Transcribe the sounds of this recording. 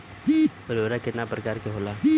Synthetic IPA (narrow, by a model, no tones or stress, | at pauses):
əɾoɾakɪt̪napɾəkaːɾkeɦoːlaː